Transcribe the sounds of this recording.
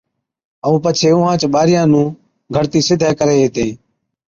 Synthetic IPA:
əũːpət͡ʃʰeːʊ̃ːɦãːt͡ʃɓaːɾɪjãːnũː | ɡʱəɾt̪iːsɪd̪ʱaːkəɾeːɦeːt̪ẽː

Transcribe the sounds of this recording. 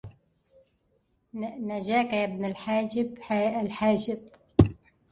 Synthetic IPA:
naʒaːkaabnalħaːd͡ʒɪblħaːd͡ʒɪb

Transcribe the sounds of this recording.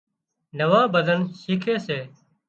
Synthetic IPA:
nəʋãːbəd̪ʱənʃiːkʰeːseː

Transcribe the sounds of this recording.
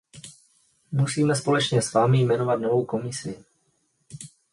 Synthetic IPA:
musiːmɛspo̞lɛt͡ʃɲɛsvaːmɪjmɛno̞vat̪no̞vo̞wko̞mɪsɪ

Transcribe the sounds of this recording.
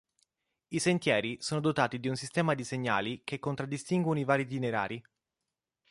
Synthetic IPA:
isent̪jɛːɾisoːnod̪ot̪aːt̪id̪iunsist̪ɛːmad̪iseɲːa̰ːlikekːont̪ɾad̪ːist̪iŋɡwonoivaːɾit̪ineɾa̰ːɾi

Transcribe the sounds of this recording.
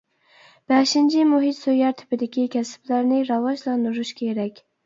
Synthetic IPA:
b̥ɛʃɪnt͡ʃʰɪmʊɦɪt̪sujɑɾt̪ʰɪ̥pɪd̪ɪkʲikʲʰɛsɪ̥blæɾnɪɾɑwɑʒlˠɑnd̪ʊɾuʃkʲʰeɾɛkʲ

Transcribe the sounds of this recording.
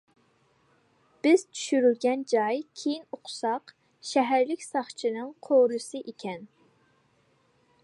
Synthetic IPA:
b̥ɪz̥t͡ʃʰy̥ʃyɾylɡʲɛnd͡ʒɑjkʲʰejiŋoqʰʊ̥sɑq | ʃɛɦæɾlɪkʲsɑχt͡ʃʰinɨŋqʰoɾɨsɨʔekʲʰɛn

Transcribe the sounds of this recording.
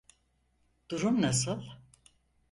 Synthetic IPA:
d̪̥uɾumnasɯlˠ

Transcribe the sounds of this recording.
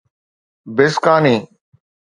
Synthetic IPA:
bɪskaːniː

